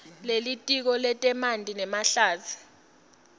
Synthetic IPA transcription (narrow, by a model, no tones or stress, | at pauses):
lelitʼik̬ɔlɛtʼɛmandʱʼinɛmaɬaːzʰi̥